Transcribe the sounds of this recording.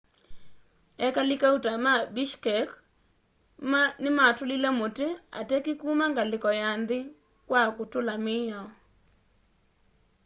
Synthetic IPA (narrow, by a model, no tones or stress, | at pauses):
ɛkalɪkautamabiʃkɛk | mnɪmatʊlɪlɛmotea̰tɛkikumaŋɡalɪkɔjand̪ɪ | kwakʊtʊlamɪjɔ